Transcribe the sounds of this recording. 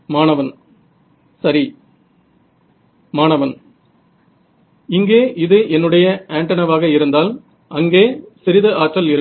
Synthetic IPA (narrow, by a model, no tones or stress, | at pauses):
maːnɐʋɐn | sɐɾi | maːnɐʋɐn | ɪŋɡeːʔɪðɯʔɛnːɯɽɐjɐʔeːɳʈɐnɐʋaːɣɐɪɾɯnd̪aːl | ʔɐŋɡeːsɪɾɪðɯaːʈrɐlɪɾɯ